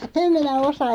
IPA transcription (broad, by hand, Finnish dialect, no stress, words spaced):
em minæ osɑ